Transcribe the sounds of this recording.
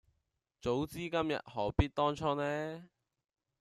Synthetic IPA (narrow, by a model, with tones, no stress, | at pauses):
t͡so˨˥wt͡siː˥kɐ˥mjɐ̰˨t̚hɔː˨˥piː˥t̚t̪ɔː˥ŋt͡ʃʰɔː˥nɛː˥